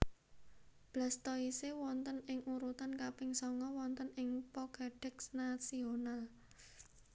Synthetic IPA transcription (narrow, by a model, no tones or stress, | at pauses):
b̥la̤st̪ɔisewɔnt̪ənɪŋuɾut̪ankapɪŋsɔŋɔwɔnt̪ənɪŋpɔkeɖ̥ɛksnasional